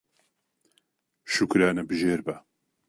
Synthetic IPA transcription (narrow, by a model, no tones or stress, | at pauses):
ʃukɾaːnɛbɨʒeːɾbɐ